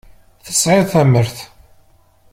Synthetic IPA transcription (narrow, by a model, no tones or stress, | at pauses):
θə̥sʕɪðθæməɾθ